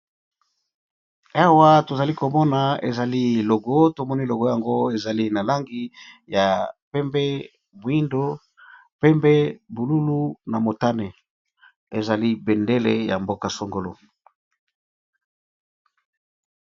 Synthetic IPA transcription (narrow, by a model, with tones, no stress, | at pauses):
a˦wa˦to˨za˨li˦ko˨mɔ˦na˨ḛ˨za˨li˦lo˨ɡo˦to˨mɔ˦ni˦˨lo˨ɡo˦ja˨ŋɡo˦e˨za˨li˦na˨la˦ŋɡi˦ | ja˨pɛ˦mbɛ˦ | mo˨i˦ndo˦ | pɛ˦mbɛ˦bu˨lu˦lu˦na˨mo˨ta˦ne˨ | e˨za˨li˦bɛ˨nde˦le˦ja̰˨mbo˦ka˨so˨ŋɡo˨lo˨